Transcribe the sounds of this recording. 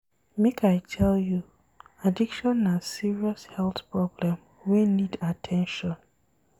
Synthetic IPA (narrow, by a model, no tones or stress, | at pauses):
mekʰajtʰɛlju | adikʃɔ̃nːasiɹiɔshɛlˠθpɹɔblɛ̃m | wenidatʰɛ̃nʃɔ̃n